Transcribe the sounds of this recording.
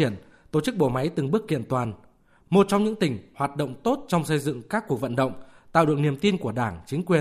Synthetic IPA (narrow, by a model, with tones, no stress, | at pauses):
i˧˩ən | t̪o˧˩t͡ɕɨ˦˥k̚ɓo̰˧˩ma˨˦jt̪ɨ˨˩ŋɓɨ˦˥ək̚kḭ˧˨ənt̪waː˨˩n | mo˨˩t̚t͡ɕɔ˧wŋ͡mɲɨ̰˧˥ŋt̪ï˨˩ŋ̟hwaː˨˩t̚ɗo̰˧˨wŋ͡mt̪o˦˥t̚t͡ɕɔ˧wŋ͡msə˧jzɨ̰˧˨ŋkaː˦˥kːu˨˩ək̚və̰˧˨nɗə̰˧˨wŋ͡mt̪a̰ː˧˨wɗɨ˨˩əŋni˨˩əmt̪i˧nku˧˩əɗaː˧˩ŋt͡ɕï˨˦ŋ̟kwi˨˩ə